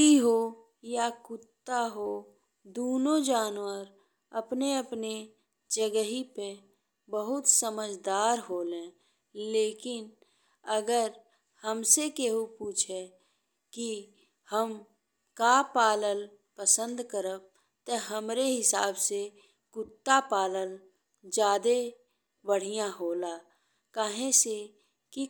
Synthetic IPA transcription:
kiɦo | jakʊt̪ːaɦo | d̪oːnõd͡ʒaːnwəɾ | əpneəpne | d͡ʒəɡəɦipe | bəɦʊt̪səməd͡ʒd̪aːɾɦoːlẽː | leːkɪn | əɡəɾ | həmsekeɦupuːt͡ʃʰe | ki | həm | kaːpaːləl | pəsə̃nd̪kəɾəb̚ | t̪əɦəmɾeɦɪsaːbse | kʊt̪ːapaːləl | d͡ʒaːd̪e | bəɽ̤ijãɦoːla | kaːɦẽse | ki

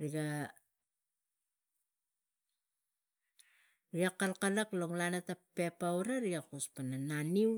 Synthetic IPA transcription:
ɾiɡa | ɾiakalkalakloŋlanatapepawɾaɾiakuspanananiw

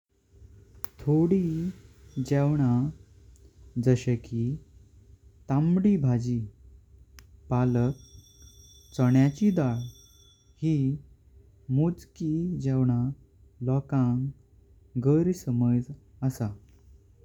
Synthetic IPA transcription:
t̪ʰoɽi | d͡ʑɛwɳa | d͡zəɕəkʰi | t̪amɽibʱad͡ʑi | palək̚ | t͡səɳjat͡ɕid̪aɭ | hi | mud͡zkid͡ʑɛwɳ̃a | lɔkãŋ | ɡəɾsəməd͡z | əsa

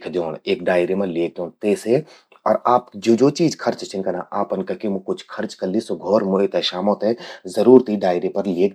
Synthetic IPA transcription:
kʰd͡ʒ̪oːɽeːkɖaːɪɾemɐleːk̚d̪õːnt̪eːse | ɔːɾaːp̚kd͡ʒoːd͡ʒoːt͡ʃiːd͡ʒkʰɐɾt͡ʃt͡ʃʰɪnkɐna̰ːʔaːpɐnkɐkemukʊt͡ʃʰkʰɐɾt͡ʃkɐɾlisoɡʱɔːɾmoːet̪ɛʃaːmõt̪ezəɾuːɾt̪iɖaːɪɾepɐɾleːk

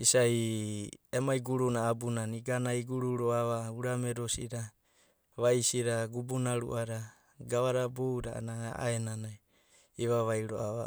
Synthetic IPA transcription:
isaj | emajɡuɾunaːbunaniɡanajɡuɾuɾoaβauɾameɾosiɾa | βajsiɾaɡubunaɾṵʔaɾa | ɡaβaɾabowdaa̰naa̰ʔa̰enanaj | iβaβajɾo̰aβa̰

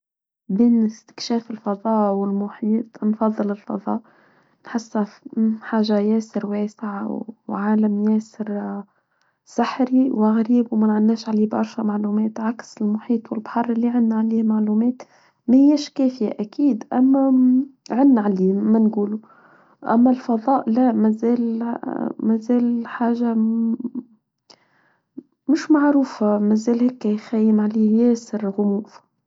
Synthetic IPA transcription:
biːnɪst̪ɪ̥kʃɛːfɪlfɑðˤɑːʔwɪlmʊħiːt̪ˤnfɑðˤːɨlɪlfɑ̰ðˤɑ̰ːʔ | nħɪsːaħaːʒajɛːsɪɾwɛːsɪʕaʕaːlamjɛːsɪɾ | saħɾiwaɣɾiːbwmænʕanːɛːʃʕaliːbɑɾˤʃæmaʕluːmɛːt̪ʕaksɪlmʊħiːt̪ˤwɪlbħɑrˤːɪlːiʕanːaʕaliːhmaʕluːmɛːt̪ | mæhɪjːɛʃkɛːfɪjaʔakiːd̪ʔamːaʕɪnːʕaliːmanɡuːlu | ʔa̰mːalfɑðˤɑːʔlamæzeːl | mæzeːlħaːʒa | mʊʃmaʕɾuːfamæzeːlhɛːkːajxæjːɪmʕaliːhjeːsɪɾɣʊmuːf

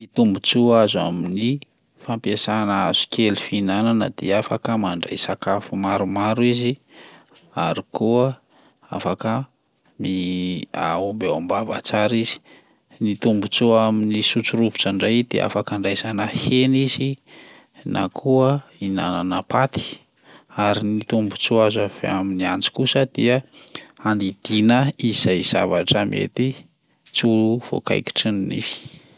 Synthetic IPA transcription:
mit̪umbut͡suaza̰mini | fampiasanaaz̥u̥kʰelifinananə̰d̪eafakəmaɳɖ͡ʐa̰jsakafumaɾumaɾuizi | aɾikuə | afakə | mia̰ombawambava̰t͡saɾizi̥ | nit̪umbut͡suaminisut͡suɾuvut͡saɳɖ͡ʐajd̪̥ḛʔa̰fakaɳɖ͡ʐajz̥anəhenizi | nʔa̰kʰuəina̰nanəpat̪i̥ | aɾinit̪umbut͡suazaveaminiant͡si̥kusəd̪̥iaand̪id̪̥inəiz̥ajz̥a̰vaʈ͡ʂəmḛt̪i | t͡suluv̥o̰ka̰jki̥ʈ͡ʂinnḭfi̥

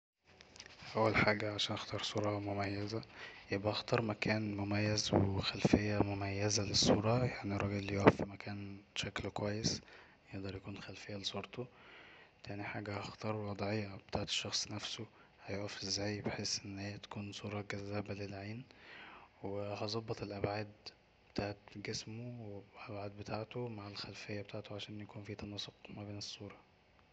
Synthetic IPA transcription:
ʔæwːælħaːɡæʕaʃæːnʔɑxt̪ɑːɾˤsˤuːɾˤɑmomæjːæzæjebʔæʔɑxt̪ˤɑɾˤmækæːnmomæjːæzwexælfejːæmomæjːæzælesˤːuːɾˤɑjaʕnirˤːɑɡelːjoʔæfːimækʰæːnʃæklkowæjːes | jeʔd̪ɑɾˤjækuːnxælfejːælesˤuːɾt̪ʰˤo | t̪æniħaːɡæhɑxt̪ɑːɾˤwɑd̪ˤʕejːɑbe̥t̪aːʕet̪e̥ʃːɑxsˤnæfso | hæjoʔæfːezːæːjbeħeːsʔenːheːæt̪æ̥kuːnsˤuːɾˤɑɡæzːæbælelʕeːn | wehæzˤɑbːɑt̪elʔæbʕaːd̪ | b̥e̥t̪aːʕet̪ɡesmowʔæbʕaːd̪̚bet̪ʰaːʕt̪omaʕelxælfejːæbet̪aːʕt̪oʕaʃæːnjækuːnfiːt̪ɑnɑsˤoqmæbeːnesˤːuːɾˤɑ

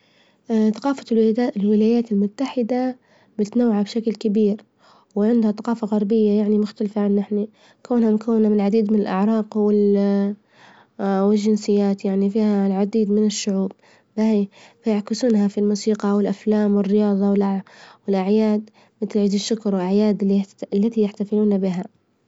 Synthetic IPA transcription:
θaqɑːfalwɪlaːjaːt̪ɪlmʊt̪ːaħɪd̪a | bɪt̪nawːaʕabʃaklkabiːɾ | wɪʕɪnd̪haθaqɑːfaɣɑɾˤbɪjːajaʕnimʊxt̪alfaʕanːʔɪħni | kaːnhamkawːnamɪnlʕad̪iːd̪mɪnɪlʔaʕɾˤɑːqwɪl | wɪlʒːɪnsɪjːaːt̪jaʕnifiːhalʕad̪iːd̪mɪnɪʃːʊʕuːb̚ | baifajaʕkɪsuːnhafilmuːsiːqɑwɪlʔaflaːmwɪrːɪjɑːðˤɑwɪlʔawɪlʔaʕjaːd̪ | mɪt̪lʕiːd̪ɪʃːʊkɾˤwɪlʔaʕjaːd̪ɪlːilːat̪ijaħt̪afɪluːnabɪɦa

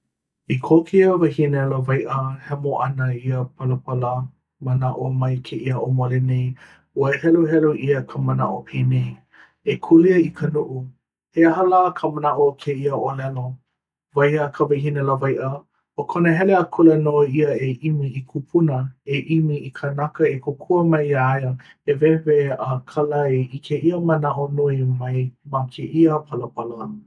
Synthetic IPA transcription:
ikʰokʰiəvɐhinɛlovajʔəhɛmoʔɐnəiəpʰɐləpɐlə | mənaʔomɐjkʰeʔiəʔomolenej | uəhɛluɦɛluʔiəkʰəməna̰ʔopʰeːnej | ekʰuliəikʰənuʔu | heɦəlakʰəmənaʔokʰeiəʔolɛlo | vajəkʰəvɐjhinələvajʔə | okʰonəɦɛleəkʰulenoiəeʔimiikʰupʰunəeʔimiikʰənakəekʰokʰuəmɐjaajə | evɛveəkʰalɐaeikʰeʔiəmənaʔonuimɐjmakʰeʔiəpʰɐləpʰɐlə

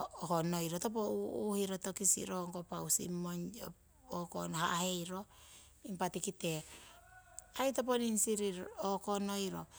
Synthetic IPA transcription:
okono̞jɾotop̬ouhiɾotokisḭɾoŋkopawsḭmːoɲo | oko̰nhaʔahe̞jɾo̞ | impatikite̞ | ajtop̬oninsiɾiɾokono̞jɾo̞

